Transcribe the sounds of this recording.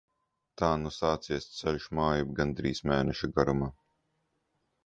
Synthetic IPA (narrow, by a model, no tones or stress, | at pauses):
t̪aːnusaːt̪siɛst̪sɛlʲʃmaːjibɡand̪ɾiːsmʲɛːnɛʃuɡaɾumaː